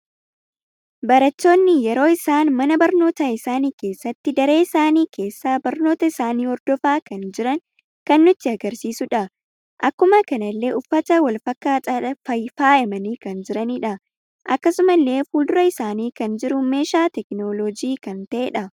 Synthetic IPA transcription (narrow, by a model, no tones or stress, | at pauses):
bɐɾɐt̪ːo̞ːnːɪjɛɾo̞ːɪsaːnmɐnɐbɐɾno̞ːt̪ɐɪsaːniːke̞ːsːɐt̪ːɪd̪ɐɾe̞ːɪsaːniːkʰe̞ːsːaːbɐɾno̞ːt̪ɐɪsaːniːhɔɾd̪ɔfaːkɐnd͡ʒɪɾɐŋ | kɐnːʊt̪ːɪɐɡɐɾsiːsʊᶑɐ | ʔɐkːʊmɐkɐnɐlːe̞ːʔʊfːɐt̪ɐwɐlfɐkːaːt̪ʼɐᶑɐfɐjfaːɛmɐniːkɐnd͡ʒɪɾɐniᶑɐ | ʔɐkːɐsʊmɐlːe̞ːfuːld̪ʊɾɐɪsaːniːkɐnd͡ʒɪɾʊme̞ːʃaːt̪ɛknolɔd͡ʒiːkɐnt̪ɐʔeːᶑɐ